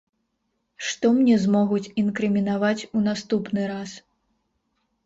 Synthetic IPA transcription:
ʂt̪ɔmnʲɛzmɔɣut͡sʲinkɾɨmʲinavat͡sʲunast̪upnɨɾas

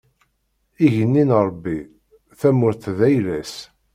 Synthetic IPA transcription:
iʝənːinɾˤbːi | θæmʊɾθðæjlæs

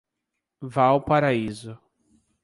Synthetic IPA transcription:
vawpaɾaizʊ

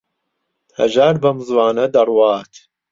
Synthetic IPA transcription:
hɐ̰ʒaːɾbɐmɨzwɑːnɐd̪ɐrwɑːt̪ʰ

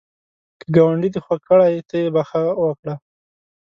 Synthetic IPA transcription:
kəɡawaɳɖid̪exwakəɽajt̪əjebaxawəkɽa

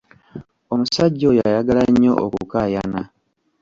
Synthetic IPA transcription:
o̞musaɟːo̞jajaɡalaɲːo̞ʔo̰kukajana

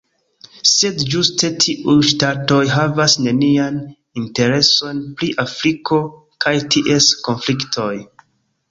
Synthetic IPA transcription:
se̞dd͡ʒustʰetʰiʔujʃtato̞jɦavasne̞nian | inte̞ɾe̞so̞npɾiʔafɾikʰo̞ | kʰajtʰiʔe̞sko̞nfliktʰo̞j

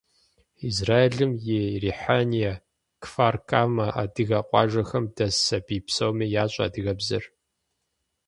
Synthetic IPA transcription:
izraːjeɮɨmjeːriːħanijɐ | kfaːrkʰaːmɐʔa̰ːdɨɣaːqʷʼɑ̰ːʒɐxɐmdɐsɐbiːpsɐwmiːjaːɕʼa̰ːdɨɣɐbzɐ̰r

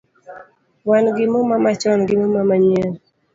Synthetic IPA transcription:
wanɡɪmomamat͡ʃɔnɡɪmomamaɲə

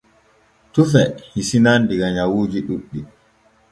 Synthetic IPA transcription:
tufɛhisinandiɡaɲawuːd͡ʒiɗuɓːi

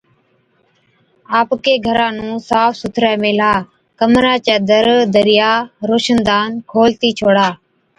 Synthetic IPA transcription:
aːpkeːɡʱəɾãːnũːsaːfsʊt̪ʰɾɛːmeːlaː | kəmɾaːt͡ʃɛːd̪əɾd̪əɾɪjaːɾoːʃənd̪aːnkʰoːlt̪iːt͡ʃʰoːɽaː

